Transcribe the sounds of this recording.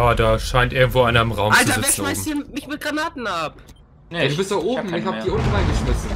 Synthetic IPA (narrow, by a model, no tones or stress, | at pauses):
aːdaːʃaɪntʔɪɐɡŋ̩tv̥oːaɪnaɪnəmʁaʊmʔalt͡savɛːɐʃnmaɪsiːɐmɪçmɪt̚ɡ̥ʁanaːtn̩ap | aduːbɪstd̥aʔoːbm̩ɪçhaːəd̥iːʔʊntaɪnɡəʃmɪsn̩